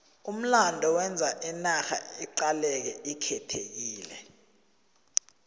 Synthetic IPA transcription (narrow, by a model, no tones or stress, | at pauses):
um̩landʱɔwɛnd͡zʱaʔinaxa̰iǃalɛk̬ɛikʰɛtʰek̬iːlɛ̰